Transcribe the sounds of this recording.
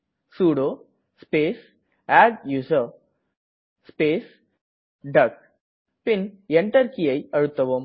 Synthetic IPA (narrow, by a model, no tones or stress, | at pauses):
suːɽoː | speːs | aːɖjuːsɐ | speːs | ɖɐk̚ | pɪnɛɳʈɐɾkɪjɐɪɐɻɯt̪ːɐʋɯm